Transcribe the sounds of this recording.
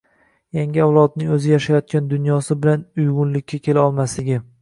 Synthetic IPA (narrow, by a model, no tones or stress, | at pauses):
jaŋɡʲɪawlˠɒd̪̚nɪŋɵzɪjaʃajɒt̪̚kʲand̪ʊnjɒsɪbɪlanʊjɡʊnlɪkʲːakʲʰe̞laɒlˠmaslɪɡʲɪ